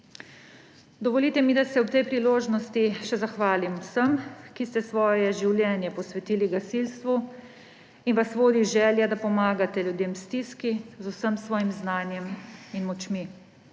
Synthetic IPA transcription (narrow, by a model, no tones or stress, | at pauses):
d̪ɔʋɔliːt̪ɛmid̪asɛɔt̪ɛjpɾiloːʒnɔst̪iʃɛzaxʋaːlimwsəmkist̪ɛsʋɔːjɛʒiwlʲjɛːnjɛpɔsʋɛt̪iːliɡasilst̪ʋu | inʋasʋoːd̪iʒɛːljɛd̪apɔmaːɡat̪ɛljud̪eːmst̪iskizusəmsʋɔːjimznaːnjɛminmɔt͡ʃmi